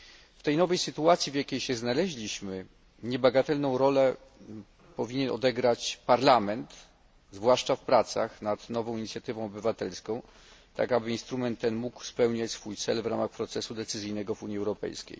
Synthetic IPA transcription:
ft̪ɛjnɔvɛjsɘt̪uat̪sʲjivjakʲejɕɛznalɛʑlʲiɕmɘ | ɲɛbaɡat̪ɛlnɔ̃w̃ɾɔlɛ | pɔvʲiɲɛnɔ̰d̪ɛɡɾat͡ɕpaɾlamɛnt̪ | zvwaʂt͡ʂafpɾat̪sa̰xnat̪nɔvɔ̃w̃iɲit̪sʲjat̪ɘvɔ̃w̃ɔbɘvat̪ɛlskɔ̃w̃ | t̪a̰kabɘinst̪ɾumɛnt̪ːɛnmukspɛwɲat͡ɕʲsfujt̪sɛlvɾamaxpɾɔt̪sɛsud̪ɛt̪sɘzɘjnɛɡɔvuɲiɛwɾɔpɛ̰jskʲḛj

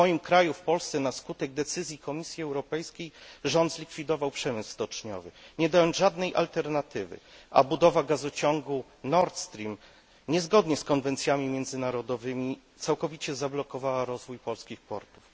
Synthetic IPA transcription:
mɔjimkɾajufpɔlst̪sɛnaskut̪ɛɡ̚d̪ɛt̪sɘzʲjikɔmʲisʲjiɛwɾɔpɛjskʲejʐɔnd̪zlʲikfʲid̪ɔvawpʂɛmɘsːt̪ɔt͡ʂɲɔ̰vɘɲɛd̪ajɔnzʐad̪nɛjʔa̰lt̪ɛɾnat̪ɘvɘ̰ʔa̰bud̪ɔvaɡazɔt͡ɕɔŋɡu | nɔɾt̪st̪ɾʲim | ɲɛzɡɔd̪ɲɛskɔnvɛnt̪sʲjamʲimʲjɛnd̪zɘnaɾɔd̪ɔvɘmʲit̪sawkɔvʲit͡ɕɛzablɔkɔvawaɾɔzvujpɔlskʲixpɔɾt̪u̥f

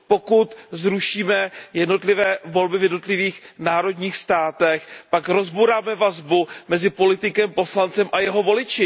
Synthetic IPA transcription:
po̞kut̪zɾuʃiːmɛjɛdno̞t̪lɪvɛːvo̞lbɪvjɛdno̞t̪lɪviːxnaːɾo̞dɲiːxst̪aːt̪ɛxpakɾo̞zbuɾaːmɛvazbumɛzɪpo̞lɪt̪ɪkɛmpo̞slant͡sɛmʔajɛɦo̞vo̞lɪt͡ʃɪ

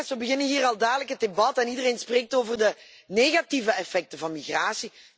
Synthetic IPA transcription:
sʋəbəɣɪnənɦiːrɑlˠdaːdələkɦət̚debɑtɛnidəreːnspreːk̚toːvərdə | neːɣativəɛfɛk̚təvɑnmiɣraːsi

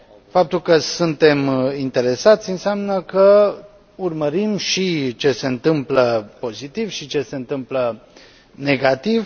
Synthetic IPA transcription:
fap̚t̪ulkəsunt̪e̞mint̪e̞ɾe̞sat̪sʲɨnseamnəkə | urməɾimʃit͡ʃe̞se̞ɨnt̪ɨmpləpo̞zit̪ivʃit͡ʃe̞se̞ɨnt̪ɨmplə | ne̞ɡat̪iv

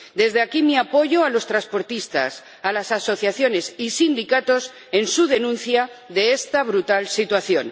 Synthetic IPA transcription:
d̪e̞zðeakimiapo̞ʝoalo̞st̪ɾaspo̞ɾt̪ist̪a̰s | alasaso̞θjaθjo̞ne̞sisind̪ikat̪o̞s | e̞nsuðe̞nũnθja | ðe̞est̪aβ̞ɾut̪alsit̪waθjo̞n

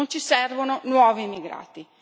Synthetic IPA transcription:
ont͡ʃisɛrvononwɔːviːmːiɡɾa̰ːt̪i

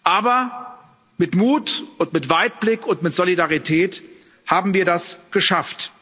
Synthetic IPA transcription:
ʔaːbɐ | mɪtmuːtʊntmɪtv̥aɪt̚b̥lɪkʊntmɪtz̥olidaʁitʰɛːt | haːbm̩viːɐɾasɡ̥əʃaft

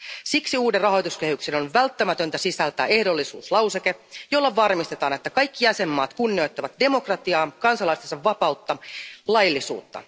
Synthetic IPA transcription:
siksiuːderrɑɦo̞jt̪uske̞hyksenonʋælt̪ːæmæt̪ø̞nt̪æsisælt̪æ̰ːe̞hdo̞lːisṵːslɑwseke̞jo̞lːɑʋɑrmist̪e̞t̪ɑːne̞t̪ːækɑjkːijæse̞mːɑːt̪kunːio̞jt̪ːɑʋɑt̪̚de̞mo̞krɑt̪iɑːkɑnsɑlɑist̪esɑʋːɑpɑut̪ːɑlɑjlːisṵːt̪ːɑ̰

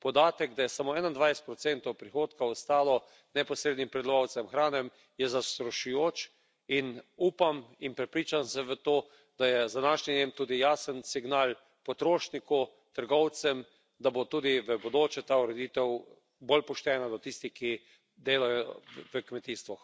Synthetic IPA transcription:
pɔd̪aːt̪əɡd̪ajɛsamoɛnand̪ʋajst̪pɾɔt̪sɛnt̪ɔwpɾixoːt̪kaɔst̪aːlɔ | nɛpɔsɾeːd̪nimpɾɛd̪lɔʋaw̪sɛmxɾaːnɛm | jɛzast̪ɾɔʃujoːt͡ʃ | inuːpaminpɾɛpɾiːt͡ʃamsɛʋət̪oː | d̪̥ajɛzd̪anaʃɲinemt̪uːd̪ijaːsənsiɡnal | pɔt̪ɾoːʃniku | t̪əɾɡɔwt̪sɛm | d̪abot̪uːd̪iʋəbod̪oːt͡ʃɛt̪auɾɛd̪iːt̪ɛw | bolpɔʃt̪ɛːnad̪ɔt̪ist̪iki | d̪eːlajɔʋəkmɛt̪iːst̪ʋɔx

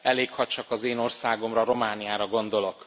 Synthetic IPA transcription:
ɛleːkhɒc̚t͡ʃɒkɒzeːno̞rsaːɡo̞mrɒɾo̞maːnijaːɾɒɡo̞nd̪o̞lo̞k

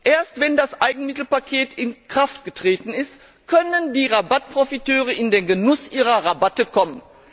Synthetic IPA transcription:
ʔeːɐstv̥ɛndasʔaɪɡŋ̩mɪtl̩pakʰeːtʰɪnkʁ̥aftɡ̥ətʁ̥eːtn̩ɪst | kʰœnəndiːʁabat̚pʁ̥ofitøːʁəɪndeːnɡənʊsʔiːʁɐʁabatəkʰɔmən

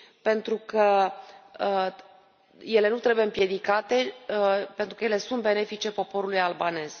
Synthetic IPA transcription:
pe̞nt̪ɾukə | je̞le̞nut̪ɾebujeɨmpje̞d̪ikat̪e̞pent̪ɾukəjele̞sunt̪̚be̞ne̞fit͡ʃe̞po̞po̞ɾulujalbane̞z̥

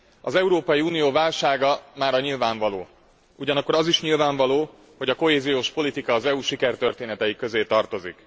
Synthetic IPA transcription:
ɒzɛuɾoːpɒjiuːnijoːvaːlʃaːɡɒmaːɾɒɲilvaːɱvɒloː | uɟɒnɒkːo̞ɾɒziʃɲilvaːɱvɒloː | ho̞ɟɒko̞ɦeːzijoːʃpo̞lit̪ikɒːzɛuːʃikɛrt̪ø̞rt̪eːnɛt̪ɛjikːø̞zeːt̪ɒrt̪o̞zḭk

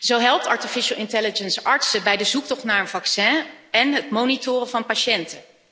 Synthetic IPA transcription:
zowɦɛlˠp̚tɑɹtifɪʃəlˠɪntɛlɪd͡ʒənsɑɹtsəbɛjdəzuk̚tɔχtnaːɹənvɑksɛ̃ːɛnɦətmownitʊːrəvɑnpaʃɛntə

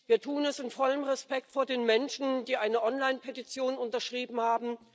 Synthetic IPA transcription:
viːɐtʰuːənɛsɪnfɔləmʁɛspɛk̚tfoːɐdeːnmɛnʃn̩d̥iːʔaɪnəʔɔnlaɪnpʰetit͡sjoːnʊntɐʃʁ̥iːbm̩haːbm̩

